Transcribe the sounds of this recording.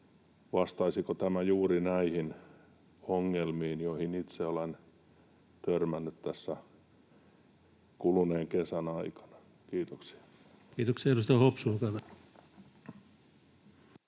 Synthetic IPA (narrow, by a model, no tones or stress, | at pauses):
ʋɑst̪ɑisikot̪æmæjuːrinæihin | oŋːelmiːnjoihinit̪seolen | t̪ørmænːyt̪t̪æsːæ | kuluneːŋkesænɑikɑ̥nɑ̥ | kiːt̪oksi̥ɑ̥ | kiːt̪oksiɑerust̪ɑhopsuːkɑn